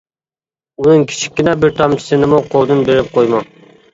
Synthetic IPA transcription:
unɨŋkʲʰi̥t͡ʃʰi̥kʲːinɛbɪɾt̪ʰɑmt͡ʃʰi̥sɨnɪmuqʰolˠd̪ɨnbeɾɪp̚qʰojmɑ

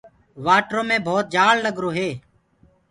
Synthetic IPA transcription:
ʋaːʈɾõːmẽːbʱoːt̪̚d͡ʒaːlləɡɾoːɦeː

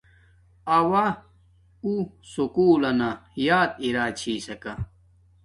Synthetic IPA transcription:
ɐwa | usukuːlɐnajaːt̪̚iɾaːt͡ɕʰiːsɐka

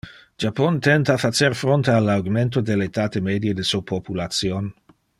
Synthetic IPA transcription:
d͡ʒapont̪ɛnt̪afat͡ʃerfɾont̪ealawɡment̪od̪eleːt̪aːt̪emed̪jed̪esupʰopulat̪sjon

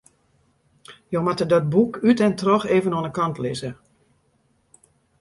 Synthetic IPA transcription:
jomatədɔt̚bukytɛntrɔxeːvənɔnəkɑntlɪ̰zə

